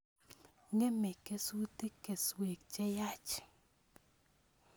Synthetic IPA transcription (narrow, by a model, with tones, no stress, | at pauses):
ŋɛ˦mɛ˨ke˦su˦te˦ke˨swe˨k̚t͡ʃɛ˦ja˦t͡ʃ